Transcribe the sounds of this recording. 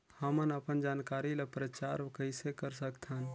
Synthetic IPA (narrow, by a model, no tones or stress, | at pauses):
həmənəpənd͡ʒaːnkaɾilepɾət͡ʃaɾkəɪsekəɾsəkt̪ʰən